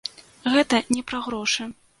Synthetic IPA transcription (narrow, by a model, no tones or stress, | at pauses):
ɣɛt̪ɐnʲɛpɾaɣɾɔʂɨ